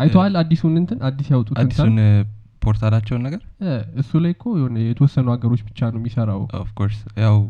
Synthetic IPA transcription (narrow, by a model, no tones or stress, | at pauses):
ʔajt̪ʰoalad̪ːisunɨnt̪ʰɨnʔad̪ːisjawt̪ʼutːnin | pʰoɾt̪ʰalat͡ʃːɛwnːəɡəɾɛɨsːulajkʰojɛhonəjɛt̪ʰəwɔsːənuhaɡəɾo̞t͡ʃːbɨt͡ʃːanəwmjisəɾawo̰fkʰoɾsjaw